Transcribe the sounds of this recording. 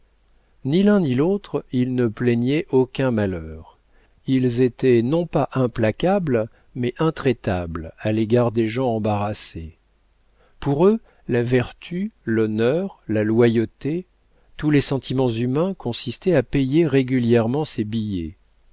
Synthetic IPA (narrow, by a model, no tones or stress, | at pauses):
nilɛ̃nilot̪χilnəplɛɲɛʔokʲɛ̃malœːʁ | ilzet̪ɛnɔ̃paʔɛ̃plakabl | mɛʔɛ̃t̪χɛt̪ablaleɡaʁd̪eʒɑ̃ɑ̃baʁase | puʁø | lavɛʁt̪ʰylɔnœʁlalwajot̪e | t̪ulesɑ̃t̪ʰimɑ̃zymɛ̃kɔ̃sist̪ɛapɛjeʁeɡʲyljɛʁmɑ̃sebijɛ